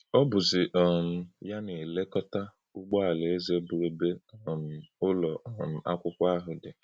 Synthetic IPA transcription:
ɔ˦bʊ˨zɪ˨ʔɔ˨m̩˨ja˦ne˨le˦kɔ˦ta˦ | u˦ɡ͡bɔ˦a˨le˨e˦ze˦bu˨ɾe˦be˦ɔ˨m̩˨ʊ˦lɔ˨m̩˨a̰˦kʷʊ˦kʷa˦ɦʊ˨dɪ˨

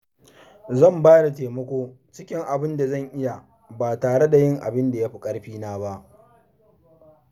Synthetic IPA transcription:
zɐ˦˨mbaː˦da˨teː˨mɐ˦kʷoː˦ | t͡ʃɪ˦kʲɪ˦ŋʔa˨bɪ˦nda˨zɐ˦˨ŋʔɪ˦ja˨ | baː˨taː˨ɽe˦da˨jɪ˦˨ŋʔa̰˨bɪ˦nda˨ja˦ɸi˦kʼɐ˦ɽɸiː˦naː˦ba˦ʔ

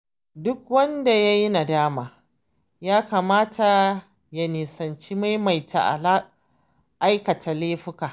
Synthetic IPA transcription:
dʊ˦kwɐ˦nda˨ja˦ji˦na˨daː˦maː˨ | jaː˦ka˨maː˦tʰa˨ | ja˨niː˨sɐ˨nt͡ʃiː˦ma˦jma˨jtʰa̰˨ʔ | ʔa˦jkɐ˨tʰa˨leː˦ɸɪ˦kaː˨ʔ

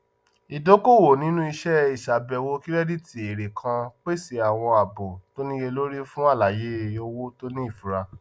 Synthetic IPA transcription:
i˨do˨˦ko˦˨wo˨nĩ˨˦nũ˦i˧ʃɛ˦i˨ʃa˨bɛ˨wo˧ki˦ɾɛ˦di˦tʰi˧˦e˨ɾe˨kʰã˧k͡pe˦si˨˦a˨w̃ɔ̃˧a˨bo˨to˦nĩ˦je˧lo˦ɾi˦fũ˦a˦˨la˨je˨˦˨jo˦wo˦to˦nĩ˦i˦˨fu˨ɾa˧

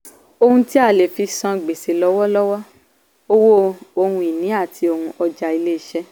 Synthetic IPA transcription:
o˧hũ˧ti˦a˦˨le˨fi˧sã˧ɡ͡be˨se˨lɔ˨˦wɔ˦lɔ˦wɔ˦ | o˦wo˦o˧hũ˧i˨nĩ˨˦a˦˨tʰi˧o˧hũ˧ʔɔ˧d͡ʒa˧i˧le˦i˦ʃɛ˦

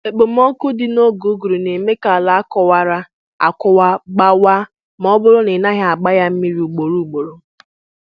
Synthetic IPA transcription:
e˨k͡po˨m̩˦o˦ku˦dɪ˨no˦ɡu˨˦ɡu˨ɾu˨ne˨me˦ka˨la˨a˦kɔ˦wa˦ɾa˦ | a̰˨kʊ˦wa˦ɡ͡ba˦wa˦ | m˦ɔ˦bʊ˦ɾʊ˦nɪ˨na˦ɦa˨a˨ɡ͡ba˦ja˦m̩˦mi˦ɾi˨u˨ɡ͡bo˨ɾu˦˨ɡ͡bo˨ɾo˨

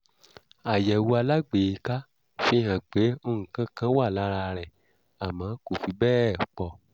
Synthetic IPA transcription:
a˨jɛ˨wu˧a˧la˦ɡ͡be˨i˨˧˦ka˦ | fĩ˦hã˨k͡pe˨˦o˧hũ˨kã˦kã˦wa˦˨la˨˦ɾa˧ɾɛ˨ | a˨mãː˨˦ko˦˨fi˧bɛː˦˨k͡pɔ˧

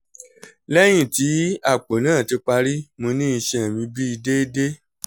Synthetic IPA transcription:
lɛ˦j̃ĩ˦˨ti˨˦a˦˨k͡po˨nãː˦˨ti˨˧k͡pa˧ɾi˦mõ˧nĩ˦i˧ʃɛ̃˧˨mĩ˧˦bi˦i˧de˦de˦

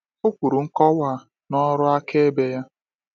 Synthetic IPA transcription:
ʊ˦kʷu˨ɾu˨ŋ̩˦kɔ˦wa˦˨ | nɔ˦ɾʊ˦a˦ke˦e˦be˦ja˦

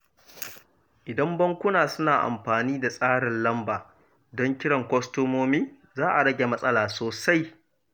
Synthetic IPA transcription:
ʔɪ˨dɐ˦mbɐ˦ŋkʷʊ˦naː˨sʊ˦naː˨ʔa̰˨mɸaː˨niː˦da˨sʼaː˦ɽɪ˨nlɐ˦mbaː˨ | dɔ˦ŋkʲɪ˦ɽɐ˨ŋkʷɔ˦stoː˦moː˦miː˦ | zaː˦ʔa˨ɽɐ˦ɡʲe˨mɐ˦sʼɐ˦laː˨soː˨sa˦j

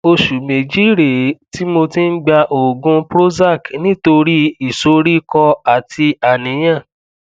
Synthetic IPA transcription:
o˧ʃu˨mĩ˨d͡ʒi˦ɾe˨ti˦mo˧ti˦n̩˦ɡ͡ba˧ʔo˨ɡũ˧pɾo˦za˦˨knĩ˦to˧ɾi˦i˦˨so˨˦ɾi˦kɔ˧a˨ti˧a˨nĩ˨˦j̃ã˦˨

